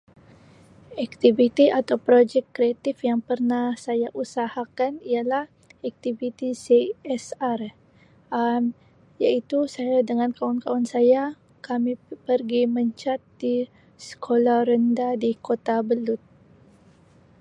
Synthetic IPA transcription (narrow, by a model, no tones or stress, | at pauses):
ɛk̚t̪ivit̪iʔat̪awpɾod͡ʒɛkːɾeat̪ifjaŋpərnahsajaʔusahakanialah | ɛk̚t̪ivit̪iseɛsar | am | jaʔit̪usajadəŋankaʊnkaʊnsaja | kamipərɡiməɲt͡ʃat̪̚di | sə̥kʰolaɾəndadikot̪abəlʊt̪̚